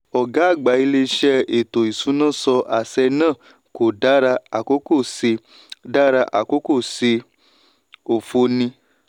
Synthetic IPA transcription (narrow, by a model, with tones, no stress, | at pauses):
ɔ˨ɡa˨˦˨ɡ͡ba˨i˧le˧ʃɛ˦e˨to˨i˨sũ˨˦nãː˦˨sɔ˧ʔa˨sɛ˧nãː˦˨ | ko˨da˨˦ɾa˧a˨ko˨˦ko˦˨se˧ | da˦ɾa˧ʔa˨ko˦ko˦˨se˧ | o˨fo˧nĩ˧